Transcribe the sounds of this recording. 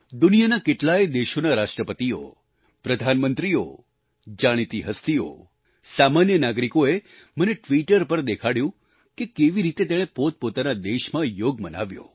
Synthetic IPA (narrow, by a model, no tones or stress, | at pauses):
d̪unijanakeʈlajd̪eʃonaɾaʃʈɾəpət̪io̰ | pɾəd̪ʱanmənt̪ɾio̰ | d͡ʒaɽ̃it̪iɦəst̪io̰ | samanjənaɡɾikoe | məneʈʋiʈəɾpəɾd̪ekʰaɽjũ | kekeʋiɾit̪et̪eɽ̃ẽpot̪̚pot̪anad̪eʃmãjoɡməna̰ʋjo̰